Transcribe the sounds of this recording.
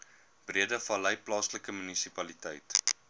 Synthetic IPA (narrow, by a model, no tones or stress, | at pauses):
b̥riədəfɐləjplɑːsləkəmynisipɐlitɛjt